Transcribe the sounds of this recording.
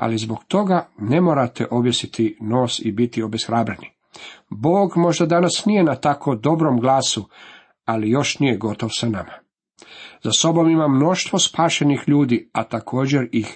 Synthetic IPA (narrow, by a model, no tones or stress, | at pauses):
a̰lizbo̞ɡt̪o̞ɡanemoːɾat̪ḛʔo̞bjesit̪ʰino̞ːsibit̪io̞besxɾaːbɾeni | boːɡmo̞ʒd̪ad̪anasnije̞nat̪akod̪o̞bɾomɡlaːsu | alijo̞ʃnijeɡo̞t̪oʋsanama | zaso̞bomimamno̞ʃt̪ʋo̞spaːʃe̞nixʎuːd̪iat̪akʰo̞ːd͡ʑeɾix